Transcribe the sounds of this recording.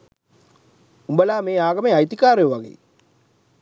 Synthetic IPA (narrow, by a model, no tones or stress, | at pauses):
umbəlaːmeːaːɡɐmeːajt̪ikaːɾejuʋaɡḛː